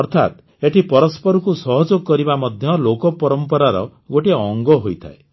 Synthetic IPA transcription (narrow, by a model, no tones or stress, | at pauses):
ɔɾt̪ʰa̰t̪ | eʈʰipɔɾɔspɔɾukusɔɦɔd͡ʒoɡɔkɔɾibamɔd̪ʱjɔlokɔpɔɾɔmpɔɾaɾɔ̰ɡoʈiɔŋɡɔɦojt̪ʰa̰e